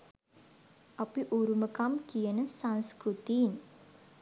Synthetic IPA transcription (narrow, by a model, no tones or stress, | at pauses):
ɐpiʔuɾuməkamkijənəsanskɾut̪iːn